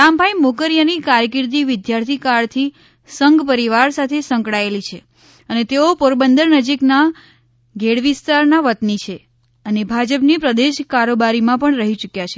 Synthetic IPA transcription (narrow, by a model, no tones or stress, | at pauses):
ambʱajmokəɾjanikaɾjəkɪɾt̪̬iʋɪd̪jaɾt̪ʰikaɭt̪ʰi | səŋɡpəɾiʋaɾsat̪ʰesə̃ŋkɽaelit͡ʃʰe | ənet̪eopoɾbənd̪əɾnəd͡ʒikna | ɡʱeɽʋist̪aɾnaʋət̪nit͡ʃʰe | ənebʱad͡ʒəpnipɾəd̪eʃkaɾobaɾimãpəɳɾəɦit͡ʃukjat͡ʃʰe